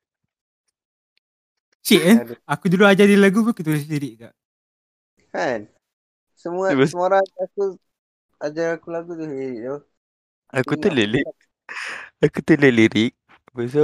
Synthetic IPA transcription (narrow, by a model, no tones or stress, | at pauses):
ət͡ʃiʔakuduluad͡ʒadilaɡupəkut̪uleliɾɪk̚kaʔ | han | səmuabəsmoɾaŋaku | ad͡ʒaakulaɡut̪uhliɾiʔ̚t̪o | akuəlili | akut̪ələliɾik̚ | bəs̬ə